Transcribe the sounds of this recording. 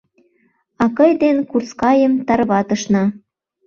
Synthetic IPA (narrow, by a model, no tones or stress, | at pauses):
ɑkɤjd̪enkurskɑjə̆mt̪ɑrβɑt̪ə̆ʃnɑ